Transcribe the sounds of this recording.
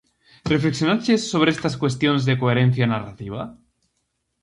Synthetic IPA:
refleksjo̞nat͡ʃesːo̞β̞ɾeest̪askwe̞st̪jonzðekoeɾenθjanara̰t̪iβ̞a

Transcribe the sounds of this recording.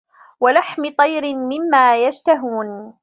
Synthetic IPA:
walaħmɪt̪ˤɑjɾɪmɪmːaːjad͡ʒt̪aɦuːn

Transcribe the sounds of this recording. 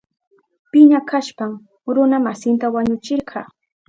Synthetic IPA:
pɪɲakaʃpam | ɾʊnamasɪnt̪awaɲʊt͡ʃɪɾɢʰɑː

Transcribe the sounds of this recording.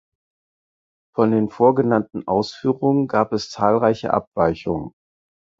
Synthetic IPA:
fɔndeːnfoːɐɡənantn̩ʔaʊsfyːʁʊŋənɡaːpɛst͡saːlʁaɪçə̰ʔa̰pv̥aɪçʊŋən

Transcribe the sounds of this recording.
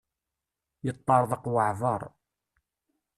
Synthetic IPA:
jət̪ˤːɑɾˤðˤɑqwəʕvˤɑɾˤ

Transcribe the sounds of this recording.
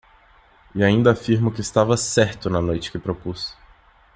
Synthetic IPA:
ɪaĩnd̪ɐːfiɾmʊkɪːst̪avɐsɛɾt̪ʊnɐnojt͡ʃɪ̥kɪpɾopus

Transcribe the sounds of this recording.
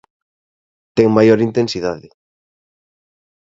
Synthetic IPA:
t̪ɛŋmajoɾint̪ẽnsiðaðɪ

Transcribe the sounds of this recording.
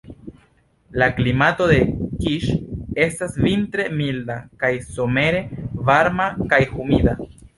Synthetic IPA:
laklimato̞de̞kiʃe̞stasvintɾe̞mildakajsome̞ɾe̞vaɾmakajhumida

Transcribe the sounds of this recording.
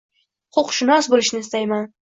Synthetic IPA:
qʰoqʃɪnɒsbolɪʃnɪɪst̪ajman

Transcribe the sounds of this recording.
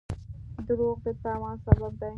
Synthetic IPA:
d̪əɾoɣd̪ət̪ɑːwɑ̃nsabab̚d̪aj

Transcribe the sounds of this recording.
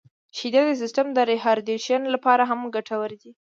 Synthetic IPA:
ʃid̪ɑd̪əs̬ɪstamd̪əɾeɦɑɾd̪eʃjɑnlapɑɾaɦamɡaʈawəɾd̪i

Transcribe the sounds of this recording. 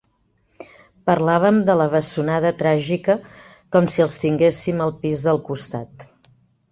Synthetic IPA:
pərlaβ̞əmd̪ələβ̞əsunaðət̪ɾaʒikə | kɔmsiəlˠst̪iŋɡesiməlˠpizðəlˠkust̪at̪

